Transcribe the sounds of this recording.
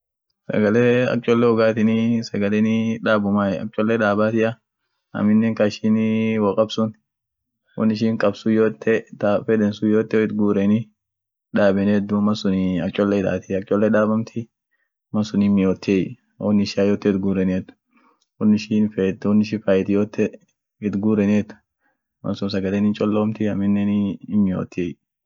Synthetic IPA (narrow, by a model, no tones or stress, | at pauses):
sɐ̰ɡɐlɛɐ̰t͡ʃʼːɔlːɛhʊɡaːt̪ɪnɪsɐɡɐlɛnɪᶑaːbʊmaːjɛɐ̰t͡ʃʼɔlːɛᶑaːbaːt̪ɪʔɐ | ɐ̰mɪnːɛːŋkaɪʃinwɔkʼɐbsʊn | wɔ̰nːɪʃ̬ɪːŋkʼɐbsʊjoːt̪ʰːɛt̪afɛd̪ɛnsʊjoːt̪ːɛɪt̪ɡuːɾɛnɪ | ᶑaːbɛnɪɛd̪ːʊmɐsʊnɪɐt͡ʃʼɔlːɛɪd̪a̰ːt̪ɪɐt͡ʃʼɔlːɛᶑaːbɐmt̪ʰɪ | mɐsʊnɪmɪjoːt̪ːj | wɔnːɪʃajoːt̪ːɛɪt̪ɡuːɾɛnɛt̪ːʊ̥ | wɔnːɪʃinfɛɔnːɪʃ̬ɪfɐjɛt̪ɪjoːt̪ːɛ | ɪt̪ɡuːɾɛneɛt̪ːʊ̥ | mɐ̰nsʊnsɐɡɐlenɪnt͡ʃʼɔlːoːmt̪ɪɐmɪnːɛnɪmːɪjo̰ːt̪ːɪɛj